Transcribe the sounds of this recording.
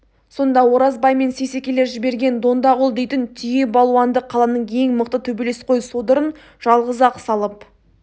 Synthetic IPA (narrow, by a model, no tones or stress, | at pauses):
so̞nd̪ɑwo̞ɾɑzbɑjme̞nsese̞kʲe̞le̞ɾʒɪbe̞ɾɡʲe̞nd̪o̞nd̪ɑʁʊlˠd̪e̞jt̪ɪnt̪ʰije̞bɑlˠuɑnd̪əqʰːɑlˠɑnəɴʰe̞jŋməqt̪ət̪ʰɵbe̞le̞sqʰo̞jsod̪əɾən | ʒ̥ɑlˠʁəzɑqsɑlˠəp̚